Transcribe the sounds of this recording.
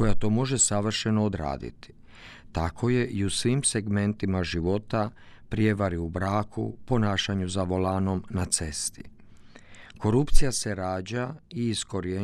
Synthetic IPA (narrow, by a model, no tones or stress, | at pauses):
ojat̪o̞ːmo̞ʒe̞saʋr̩ʃe̞no̞ːd̪ɾa̰ːd̪ḭt̪i̥ | t̪akʰo̞je̞ʔiusʋiːmse̞ɡme̞nt̪imaʒiʋo̞t̪a | pɾije̞ʋaɾiubɾaːkʰṵpo̞naːʃaɲuzaʋo̞laːno̞mnat̪se̞st̪ḭ | ko̞ɾupt̪sijase̞ɾaːd͡ʑaiːsko̞ɾje